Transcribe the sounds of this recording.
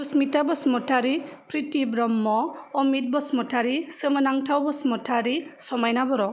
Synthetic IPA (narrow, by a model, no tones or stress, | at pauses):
usmitabɔsmɔtʰaɾipɾitibɾɔmːɔːmit̚bɔsmɔtʰaɾisɯmənaŋtʰawbɔsmɔtʰaɾisɔmajnabɔɾɔ